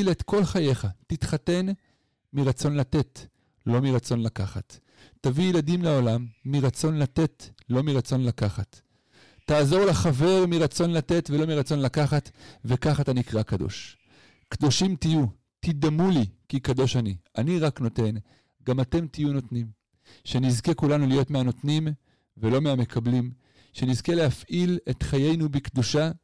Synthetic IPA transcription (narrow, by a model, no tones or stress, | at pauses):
let̪ko̞lχaje̞χatitχate̞n | miʁat͡so̞nlate̞t | lo̞miʁat͡so̞nlakaχa̰tː | avijeladimleo̞lamːiʁat͡so̞nlate̞tlo̞miʁat͡so̞nlakaχatː | aːzo̞ʁlaχave̞ʁmiʁat͡so̞nlate̞tve̞lo̞miʁat͡so̞nlakaχatve̞kaχatanikʁakado̞̰ʃ | kdo̞ʃimtiju | tidamulikikado̞ʃanianiʁakno̞te̞n | ɡamate̞mtijuno̞tnim | ʃe̞nizke̞kulanulijo̞tmeano̞tnim | velo̞meame̞kʰablim | ʃe̞nizkelehafʔile̞t̪χaje̞jnubikduʃa